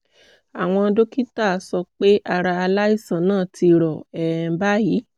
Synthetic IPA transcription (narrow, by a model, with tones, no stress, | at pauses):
a˨w̃ɔ̃˧do˦ki˦ta˦˨sɔ˧k͡pe˦ʔa˧ɾa˧a˧la˦i˦˨sã˨nãː˦˨ti˧ɾɔ˨ɛ̃˨˦ba˦ji˨˦